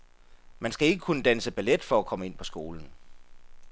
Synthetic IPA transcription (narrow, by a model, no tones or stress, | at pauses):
mænsɡ̥æe̝ɡ̥əkʰunəd̥ænsəb̥æled̥fɒ̽ækʰɒ̽məe̝n̰pʰɒ̽sɡ̥o̝ːln̩